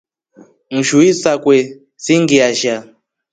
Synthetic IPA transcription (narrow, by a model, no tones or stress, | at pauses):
ŋ̩ʒuisakwɛ | siŋɡiaʒa